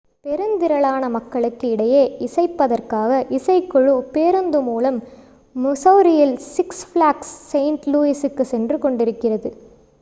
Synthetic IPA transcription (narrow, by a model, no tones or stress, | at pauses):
pɛɾɯnd̪ɪɾɐɭaːnɐmɐkːɐɭɯkːɯɪɽɐjeːɪsɐɪpːɐðɐrkaːɣɐʔɪsɐɪkːɔɻɯpːeːɾɯnd̪ɯmuːlɐmː | ʊsɐʋɾɪjɐlsɪksflaːksːɐɪɳʈluːisɯkːɯsɛndrɯkɔɳɖɪɾɯkːɪrɐðɯ